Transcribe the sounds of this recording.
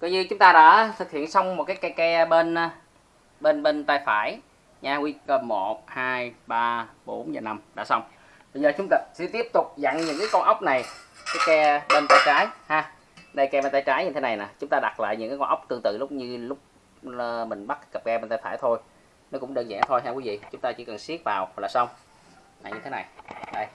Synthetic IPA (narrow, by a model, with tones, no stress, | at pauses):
kɔ˨˦ɲɨ˧t͡ɕʊ˨˦ŋ͡mt̪aː˧ɗa̰ː˧˥t̪ʰɨ˨˩k̚hḭ˧˨ənsa˧wŋ͡mm˨˩t̚kaː˨˦jkɛ˧kɛ˧ɓe˧n˧ | ɓe˧nɓe˧nt̪aː˧jfaː˧˩j | ɲaː˧ɣwi˧kə˧˩mo˨˩t̚haː˧jɓaː˧ɓo˨˦nzaː˨˩na˧mɗa̰ː˧˥sa˧wŋ͡m | ɓə˧zəː˨˩t͡ɕʊ˨˦ŋ͡mt̪a˧˩sɛ̰˧˥t̪i˦˥əp̚t̪ʊ˨˩k͡p̚za̰˧˨ŋɲɨ̰˧˥ŋkaː˨˦jkɔ˧nʔə˦˥wk͡p̚na˨˩jkaː˨˦jkɛ˧ɓe˧nt̪aː˧jt͡ɕaː˨˦jhaː˧ | ɗə˧jkɛ˧ɓe˧nt̪aː˧jt͡ɕaː˨˦jɲɨ˧t̪ʰe˦na˨˩jnaː˨˩t͡ɕʊ˨˦ŋ͡mt̪aː˧ɗa˨˩t̚la̰ː˧˨jɲɨ̰˧˥ŋkaː˨˦kɔ˧nʔwk͡p̚t̪ɨ˧əŋt̪ɨ̰˧˨lʊ˦˥k͡p̚ɲɨ˧lʊ˦˥k͡p̚ | ə˧˩mï˨˩ŋ̟ɓa˦˥t̚kə˨˩p̚ɣɛ˧ɓnt̪aː˧jfaː˧˩jt̪ʰo˧j | nɔ˨˦˥kʊ̰˧˥ŋ͡mɗəː˧nza̰˧˥ŋt̪ʰo˧jɦaː˧kwi˨˦vḭ˧˨t͡ɕʊ˨˦ŋ͡mt̪aː˧t͡ɕḭ˧˦kə˨˩nsi˦˥ət̚vaː˨˩wk̚laː˨˩sa˧wŋ͡m | la̰ː˨˩ɲɨ˧t̪ʰe˨˦na˨˩jɗə˧j